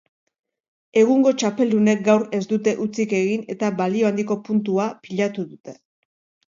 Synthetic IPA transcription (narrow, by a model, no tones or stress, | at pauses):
e̞ɣ̞uŋɡo̞t͡ʃape̞ld̪une̞k̚ɡawɾe̞zd̪ut̪e̞ʔut͡sike̞ɣine̞t̪aβalio̞and̪iko̞punt̪uapiʎat̪uðut̪e̞̥